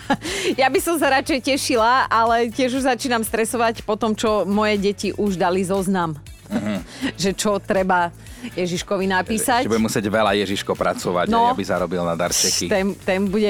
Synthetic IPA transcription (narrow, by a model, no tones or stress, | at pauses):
jabisɔms̬aɾat͡ʃɛjcɛʃilaalɛcɪɛʒuʒzat͡ʃiːnamst̪ɾɛsɔʋacpɔt̪ɔmt͡ʃɔmɔjɛɟɛciʔuʒd̪alizɔznam | ʒɛt͡ʃɔt̪ɾɛba | jɛʒiʃkɔʋinapiːsacɛbuɛmusɪɛɟʋɛlajɛʒiʃkɔpɾa̰t͡sɔʋa̰cnɔabiza̰ɾɔbilnad̪a̰ɾt͡ʃɛkit̪ɛnt̪ɛnbuɟɛ